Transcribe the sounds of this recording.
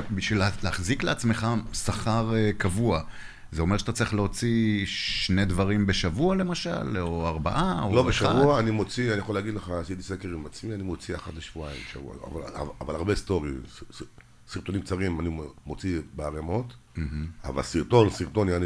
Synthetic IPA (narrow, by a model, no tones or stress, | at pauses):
biʃvilleaχzikleat͡sme̞χasaχaʁekavua | zeo̞meʃat̪at͡sʁiχleo̞t͡siʃne̞dvaʁimbe̞ʃavuale̞maʃa̰loaʁbaʔaolobeʃaavuaːnimo̞t͡sianijaχoleaɡidleχasit̪isekeʁimat͡smianimo̞t͡siaχat̪leʃvuaḭmbeʃa̰vṵa̰a̰val̰vavalaʁbest̪o̞ʁis | siʁt̪o̞nimk̚t͡saʁimanimot͡sibeaʁemo̞t̪m̩ɦ̩a̰va̰lsiʁt̪o̞nsiʁt̪o̞niani